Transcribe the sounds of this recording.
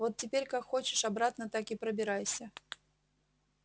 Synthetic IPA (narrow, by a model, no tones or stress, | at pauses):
vot̪̚tʲːɪpʲeɾʲkakxo̞t͡ɕɪʂɐbɾat̪nət̪akɪpɾəbʲɪɾajsʲə